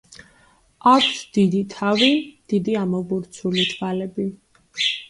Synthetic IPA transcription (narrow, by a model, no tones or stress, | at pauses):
akʷʰsd̪̥id̪it̪ʰavid̪̥id̪iamɔbuɾt̪sʰulit̪ʰvalɛbi